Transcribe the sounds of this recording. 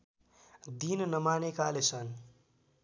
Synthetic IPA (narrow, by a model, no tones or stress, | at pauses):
d̪innʌmanekalesʌn